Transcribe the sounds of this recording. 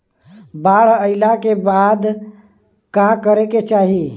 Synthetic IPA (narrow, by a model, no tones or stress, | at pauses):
baɽ̤əɪlakebad̪ | kakəɾeket͡ʃaɦi